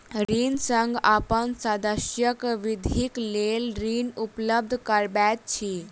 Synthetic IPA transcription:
ɾiːnsəŋɡapənsad̪əɕjəkʋid̪ʱiklelɾiːnupləb̚d̪ʱkəɾbat̪̚t͡ɕʰiː

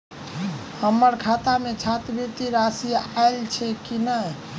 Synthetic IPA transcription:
həmːəɾkʰat̪amet͡ʃʰat̪bit̪iɾasiaelt͡ʃʰɛkinəj

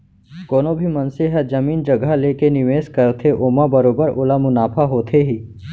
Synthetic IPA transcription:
koːnobʱimɐnseɦəd͡ʒɐmiːnd͡ʒɐɡʱaleːkenɪʋeːskəɾt̪ʰeʔoːmabəɾoːbəɾʔoːlamʊnaːpʰaɦoːt̪ʰeɦiː

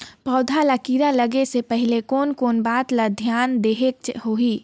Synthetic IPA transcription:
pɔːd̪ʱalakiːɾaləɡesepəɦɪlekoːnkoːnbaːt̪lad̪ʱjaːnd̪eːɦek̚t͡ʃhoɦiː

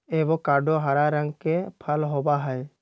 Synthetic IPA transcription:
eʋokaɖʱoɦaɾaɾə̃ŋɡkepʰəlɦobaɦəj

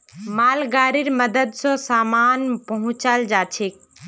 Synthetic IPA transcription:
malɡaɾiɾməd̪əd̪sɔ̃samanpəɦʊ̃t͡ʃald͡ʒat͡ʃʰek

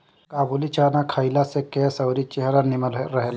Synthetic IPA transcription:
kaːbulit͡ʃaːnakʰəilasekesəwɾit͡ʃeɦɾanɪməlɾəɦel

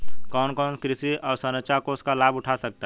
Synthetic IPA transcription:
kɔːnkɔːnkɾɪsiɔːɾsənət͡ʃakoʊskalaːbʊʈʰasək̚t̪aɦɛ

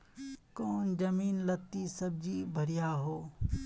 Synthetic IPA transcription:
kɔːnd͡ʒɐmiːnlɐt̪ːisɐb̚d͡ʒibʱɐɾijaɦoː

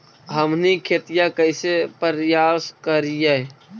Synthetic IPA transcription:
ɦəmnikʰeːt̪ijakəɪsepəɾjaːskəɾije

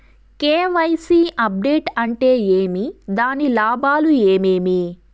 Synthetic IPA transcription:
keːʋɐjsiːɐp̚ɖeːʈɐɳʈe̞ːjeːmid̪aːnilaːbaːlue̞ːmeːmi

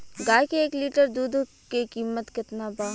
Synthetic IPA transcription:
ɡaːjkeeːkliːʈəɾd̪uːd̪ | kikiːmət̪kɪt̪nabaː

